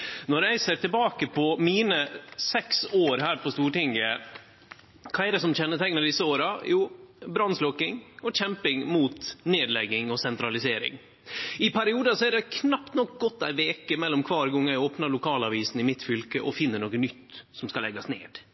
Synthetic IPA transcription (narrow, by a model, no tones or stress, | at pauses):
nɔɾæɪseːɾʈ̪ʰɪlbɑːkəpʰɔmiːnəsɛksoːɾɦæːɾpʰɔst̪uːʈɪŋːə | kʰɑːɛd̪ɛsɔmt͡ɕɛnːət̪ʰɛŋːənɑd̪ɪsːəoːɾɑjuːbɾɑnslɔkːɪŋɔc͡çɛmpɪŋmuːt̪neːd̪lɛɡːɪŋɔsɛnt̪ɾɑlɪseːɾɪ̰ŋ | ɪpʰæɾɪuːd̪ɑsɔɛɖɛkʰnɑpt̪nɔk̚ɡɔt̪ːæ̰ɪʋeːkəmɛlːɔmkʰʋɑːɾɡɔŋːæɪoːpnɑɾlʊkʰɑːlɑʋiːsn̩ɪmɪt̪fʏlkəʔɔfɪnːəɳoːkənʏt̪ːsɔmskɑlɛ̰ɡːɑsnḛːd̪̥